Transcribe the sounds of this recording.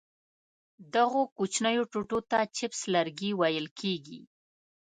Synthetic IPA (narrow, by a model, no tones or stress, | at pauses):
d̪aɣokut͡ʃnəjoʈoʈot̪at͡ʃɪpslaɾɡiwajəlkʰeɡḭ